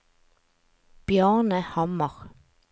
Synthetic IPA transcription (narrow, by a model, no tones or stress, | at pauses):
b̥jɑːnəhɑmɑʁ